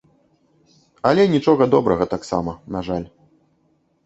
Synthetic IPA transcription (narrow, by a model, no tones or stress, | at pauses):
ɐlʲɛnʲit͡ʂɔɣɐd̪ɔbɾɐɣɐt̪aksa̰mɐnaʐalʲ